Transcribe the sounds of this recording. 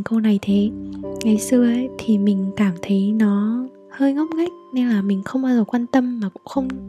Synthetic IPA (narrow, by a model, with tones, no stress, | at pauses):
ŋkə˧wna˨˩jt̪ʰe˨˦ŋa˨˦jsɨ˧əʔə˦˧˥jt̪ʰi˨˩mï˨˩ŋ̟kaː˧˩mt̪ʰə˨˦jnɔ˨˦ | həː˧jŋɔ˦˥p̚ɣa˦˥jk̚ne˧nlaː˨˩mï˨˩ŋ̟xə˧wŋ͡mʔaː˧zə˨˩kwaː˧nt̪ə˧mːaː˨˩kʊ̰˧˥ŋ͡mxə˧wŋ͡m